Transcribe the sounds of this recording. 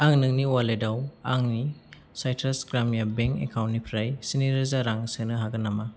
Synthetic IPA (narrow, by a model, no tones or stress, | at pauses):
aŋnɯŋniwaledawaŋni | sajtʰɾasɡɾamjabeŋkḛkʰawntnipʰɾajsiniɾɯzaɾaŋsɯnɯɦaɡɯnːama